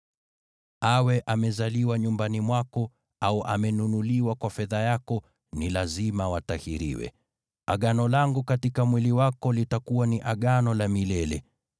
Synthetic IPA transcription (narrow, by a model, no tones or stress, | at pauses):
awɛʔamɛzaliwaɲumbanimwakɔ | auʔa̰mɛnunuliwakwafɛðajakɔ | nilazimawatahiɾḭwɛ̰ | a̰ɠanɔlaŋɡukatikamwiliwakɔlitakuwaniʔaɠanɔlamilɛlɛ